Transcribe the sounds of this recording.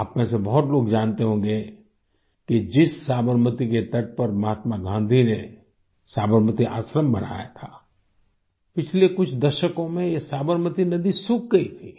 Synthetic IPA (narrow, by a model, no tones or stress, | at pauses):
aːpmɛ̃ːsebɐɦʊt̪loːɡd͡ʒaːnt̪eɦõːɡe | kid͡ʒɪsːaːbəɾmət̪iket̪ɐʈ̚pəɾmɐɦaːt̪maɡʱãːnd̪ʱine | saːbəɾmət̪iʔa̰ːsɾəmbɐɽ̤a̰ːja̰t̪ʰaː | pɪt͡ʃʰlekʊt͡ʃʰd̪ɐʃəkõmẽjesaːbəɾmət̪inɐd̪isʊk̚ɡɐit̪ʰiː